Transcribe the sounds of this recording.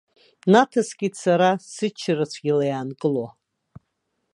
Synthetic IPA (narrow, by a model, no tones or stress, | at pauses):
natʰasɡʲisaɾasɨt͡ʃʰrat͡sʷʰɡʲilajaːnkʼɨlo